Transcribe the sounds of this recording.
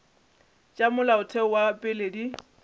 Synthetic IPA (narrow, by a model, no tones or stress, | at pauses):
t͡ʃʼamʊlaʊtʰɛɔwapʼɪledi